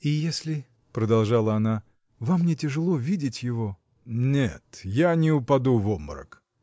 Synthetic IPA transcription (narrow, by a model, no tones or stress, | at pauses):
ɪjesʲlʲɪ | pɾəd̪ɐlˠʐalˠəɐna | vamːnʲetʲɪʐɨlˠo̞vʲidʲɪtʲjɪvo | nʲet̪janʲɪʊpɐd̪uvomɾə̰k